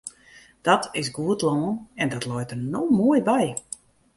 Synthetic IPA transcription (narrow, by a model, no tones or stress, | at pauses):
d̥ɔtʰɪsɡuətlɔːnɛndɔtlɔjtərnoːmoəjbɛj